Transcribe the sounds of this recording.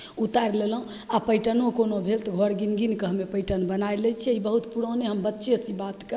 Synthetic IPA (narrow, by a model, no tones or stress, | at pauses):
ut̪aɾleləɦũ | apəjʈənõkonobʱelt̪ɡʱoɾɡinɡinkəɦəmepəjʈənbənajlɛt͡ʃʰɛibəɦut̪puɽoneɦəmbətːʃʰesĩbat̪kə